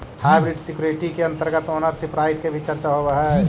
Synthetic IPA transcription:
hajbɾiɖsikjuɾeʈikeə̃nt̪əɾɡət̪oːnəɾsipɾaːɪʈkebʱit͡ʃəɾt͡ʃaɦobəɦɛ

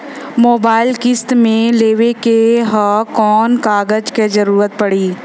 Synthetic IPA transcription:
moːbaːɪlkɪst̪mẽleːʋekeɦakɔːnkaːɡəd͡ʒkezɐɾuːɾət̪̚pɐɽiː

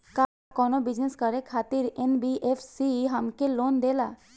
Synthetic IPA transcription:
ka | kɔnobid͡ʒneskəɾekʰat̪iɾenbiʔefʰsiɦamkeloːnd̪ela

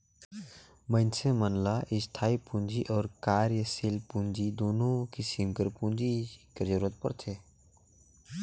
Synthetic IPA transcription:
mə̃ɪnsʰẽmənlaʔɪst̪ʰaːipũnd͡ʒiʔɔːɾkaːɾjəsilpũnd͡ʒid̪oːnõkɪsimkəɾpũnd͡ʒiked͡ʒəɾuːɾət̪̚pə̰ɾt̪ʰeː

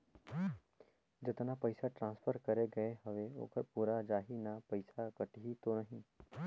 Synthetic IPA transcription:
d͡ʒət̪ənapəjsaʈɾãnsfʰəɾkəɾeɡəeɦəʋeo̰kəɾpuɾad͡ʒaɦinapəjsakəʈiɦit̪onəɦĩ

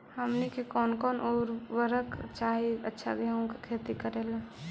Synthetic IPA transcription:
həmnikekɔːnkɔːnʔoːɾʋəɾəkt͡ʃaːɦiətːʃʰa̰ɡeaõkekʰeːt̪ikəɾeːle

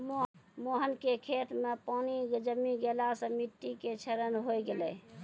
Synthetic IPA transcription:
momoɦənkekʰet̪mepanid͡ʒəmiɡelasə̃miʈːiket͡ʃʰəɾənɦojɡelɛ

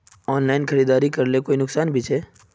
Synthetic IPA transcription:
ɔːnlaːɪnkʰɐɾiːd̪aːɾikɐɾlekoːinʊksaːnbʱit͡ʃʰeː

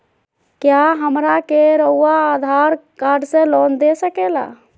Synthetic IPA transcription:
kjaɦəmɾakeɾəʊːad̪ʱaɾkaːɾɖsẽlɔːnd̪esəkela̰

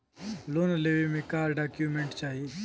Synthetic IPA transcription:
loːnleːʋemẽkaːɾɖaːkjumẽɳʈt͡ʃaːɦie

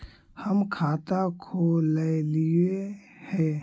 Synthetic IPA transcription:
həmkʰaːt̪akʰoləlie | hɛ̃ː

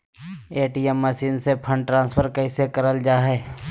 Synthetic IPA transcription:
eːʈiːɛmːəʃiːnsepʰə̃ɳɖʈɾãːnspʰəɾkəɪsekəɾəld͡ʒaːɦɛː

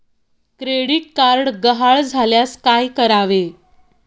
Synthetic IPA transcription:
kɾeɽiːʈ̚kaɾɽɡəɦaɭd͡zʱaljaskajkəɾaʋe

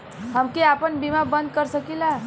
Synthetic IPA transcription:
ɦəmkeapəɳbimabə̃nd̪̚kəɾsəkila

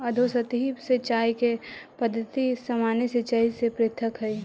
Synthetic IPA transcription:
əd̪ʱosət̪iːbset͡ʃaːikepəd̪ʱːət̪isɐmaːneset͡ʃəisepɾeːt̪ʰːəkɦəi

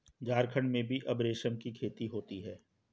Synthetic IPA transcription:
d͡ʒaːɾkʰəɳɖmẽbʱiʔɐbɾeːʃəmkikʰeːt̪iɦoːt̪iɦɛː

